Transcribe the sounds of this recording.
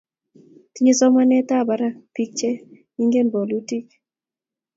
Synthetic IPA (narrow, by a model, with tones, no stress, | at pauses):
ti˦ɲe˦sɔ˦ma˦nɛ˦ta˦˨ba˨ɾa˦pi˦k̚t͡ʃɛ˦ | i˦ŋɡe˦mbo˨lu˦ti˦k